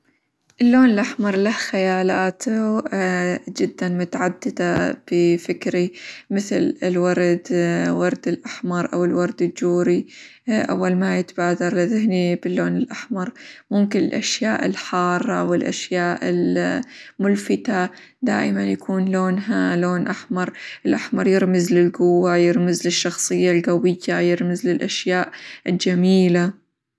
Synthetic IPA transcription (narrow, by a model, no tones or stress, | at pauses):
ʔɪlːoːnɪlʔaħmɑɾˤlahxajaːlaːt̪ʰu | d͡ʒɪd̪ːanmʊt̪aʕad̪ːɪd̪ab̥ɪfɪkɾimɪθlɪlwɑɾˤd̪wɑɾˤd̪ɪlʔaħmɑɾˤʔa̰wɪlwɑɾˤd̪ɪld͡ʒuːɾi | ʔa̰wːalmajɪt̪baːd̪ɑɾˤlɪðɪhnibɪlːoːnɪlʔaħmɑɾˤmʊmkɪnɪ̰lʔa̰ʃjaːʔɪ̰lħɑːrˤːɑ̰wɪlʔa̰ʃjaːʔɪ̰l | mʊlfɪt̪a | d̪a̰ːʔɪmanjakʰuːnloːnɦaloːnʔaħmɑɾˤʔɪlʔaħmɑɾˤjɪɾmɪzlɪlɡʊwːajɪɾmɪzlɪʃːɑxsˤɨjːalɣawɪjːajɪɾmɪzlɪlʔaʃjaːʔɪld͡ʒamiːla